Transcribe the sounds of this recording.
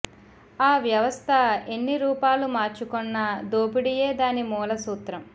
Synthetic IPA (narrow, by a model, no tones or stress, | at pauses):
aːʋjɐʋɐst̪ʰɐe̞nːiɾuːpaːlumaːɾt͡ʃukɔnːɐd̪oːpiɽije̞ːd̪aːnimuːlɐsuːt̪ɾɐm